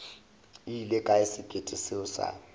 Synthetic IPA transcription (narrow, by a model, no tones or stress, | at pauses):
ilekʼaɪsɪkʼetʼɪsɪʊsa̰